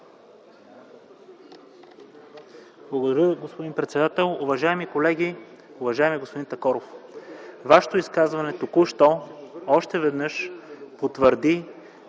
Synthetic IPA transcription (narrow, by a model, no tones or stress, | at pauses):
blˠɐɡod̪ɐɾʲjəɡospod̪inpɾɛt̪sɛd̪at̪ɛlˠʊvɐʒaɛmikolɛɡiʊvɐʒaɛmiɛɡospod̪int̪ɐkɔɾof | vaʃɛ̥t̪oʊiskazvɐnɛt̪okuʃt̪ɔɔʃt̪ɛvɛd̪nɤʃpot̪vəɾd̪i